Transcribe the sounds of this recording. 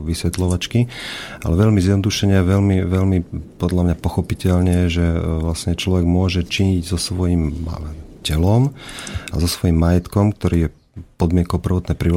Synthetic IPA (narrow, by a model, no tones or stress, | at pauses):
ʋisʋɛt̪lɔʋat͡ʃkia̰lɛʋɛʎmizjɛd̪nɔd̪uʃɛɲɛaʋɛʎmiʋɛʎmipɔd̪ʎamɲapɔxɔpicɛʎɲɛʒɛʋlasɲɛt͡ʃlɔʋɛɡmʊɔʒɛt͡ʃiɲiɟzɔsʋɔjim | cɛlɔma̰zɔsʋɔjimːajɛt̪kɔmk̚t̪ɔɾiːjɛ | pɔd̪mɪɛŋkɔʊpr̩ʋɔt̪nɛpɾi